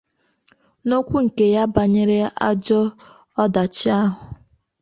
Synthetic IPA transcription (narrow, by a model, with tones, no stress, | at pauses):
no˦kʷu˦ŋ̩˨ke˨ja˦ba˨ɲe˦ɾe˦a̰˦d͡ʒɔ˦ | ɔ˦da˨t͡ʃi˦a˦ɦʊ˨